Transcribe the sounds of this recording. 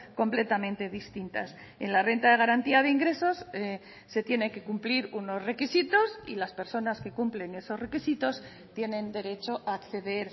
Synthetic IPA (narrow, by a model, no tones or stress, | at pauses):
ko̞mple̞t̪amẽ̞nt̪e̞ðist̪int̪a̰s | e̞̰nlare̞nt̪aðe̞ɣ̞aɾant̪iaðe̞iŋɡɾe̞so̞seː | e̞t̪je̞ne̞ŋke̞kumpliɾuno̞zre̞kisit̪o̞sḭlaspe̞ɾso̞naske̞kumple̞ŋe̞so̞zre̞kisit̪o̞s | t̪je̞nẽ̞nd̪e̞ɾe̞t͡ʃo̞ʔaːkθe̞ðe̞ɾ